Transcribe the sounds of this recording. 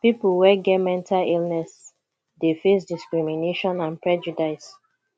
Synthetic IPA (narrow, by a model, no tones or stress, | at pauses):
pipul̩wɛɡɛmɛ̃ntʰalilnɛs | defesdiskɹimineʃɔ̃nãnpɹɛd͡ʒudaɪs